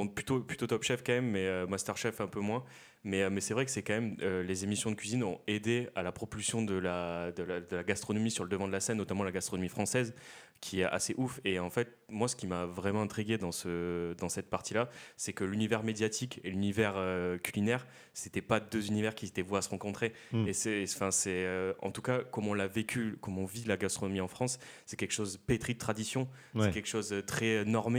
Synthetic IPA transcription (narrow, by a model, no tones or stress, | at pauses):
ɔ̃plyt̪oply̥t̪ot̪ɔpʃɛfkɑ̃mɛmːɛømast̪œʁʃɛfɛ̃pømwɛ̃ | mɛømɛsɛvʁɛkə̥sɛkɑ̃mɛmølezemisjɔ̃d̪əkʲɥizinɔ̃ed̪ealapχɔpylsjɔ̃d̪əlad̪əlad̪əlaɡast̪χɔnɔmisyʁləd̪əvɑ̃d̪əlasɛnːɔt̪amɑ̃laɡast̪χɔnɔmifχɑ̃sɛz | kʲʰiɛʔa̰seʔufeɑ̃fɛt̪̚ | mwasə̥kʲimavʁɛmɑ̃ɛ̃t̪χiɡʲed̪ɑ̃səd̪ɑ̃sɛt̪̚paʁt̪ilasɛkəlynivɛʁmed̪jat̪ʰikʰelynivɛʁøkʲʰylinɛʁ | set̪ɛpad̪øzynivɛʁkʲiset̪ɛvwaasəʁɑ̃kɔ̃t̪χe | esɛ̃fɛ̃sɛøɑ̰̃t̪ukakɔmɔ̃lavekʲykɔmɔ̃vilaɡast̪χɔnɔmiɑ̃fχɑ̃sː | ɛkʲɛlkʃozpet̪χid̪ət̪χad̪isjɔ̃ | sɛkʲɛlkʃozt̪χɛnɔʁme